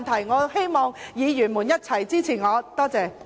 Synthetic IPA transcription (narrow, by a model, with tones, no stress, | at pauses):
nt̪ʰɐ˨˩jŋɔː˨˧he˥jmɔː˨˧ŋjiː˨˧jyː˨˩nmuː˨˩njɐ˥t̚t͡sʰɐ˨˩jt͡siː˥t͡sʰiː˨˩ŋɔː˨˧t̪ɔː˥t͡sɛː˨˧